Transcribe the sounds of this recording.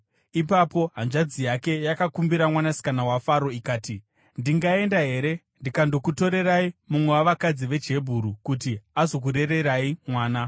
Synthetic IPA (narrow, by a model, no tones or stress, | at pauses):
ipapo̞ɦanʐad͡zijake̞jakakumbiɾamwanasi̥kanawafaɾo̞ikaːti | ndiŋɡae̞ndaɦe̞ːɾe̞ | ndikando̞kuto̞ɾe̞raimumwe̞waʋakad͡ziʋe̞d͡ʒe̞bʱuɾukutiazo̞k̬uɾe̞re̞ɾaimwaːna